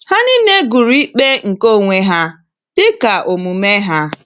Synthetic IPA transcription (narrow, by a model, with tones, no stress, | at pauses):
ha˦nɪ˦ne˦ɡu˨ɾi˦k͡pe˦ŋ̩˨ko˦˨ŋʷe˦ɦa˦ | d̥ɪ˦ka˨ʔo˨mu˨me˦ɦa˦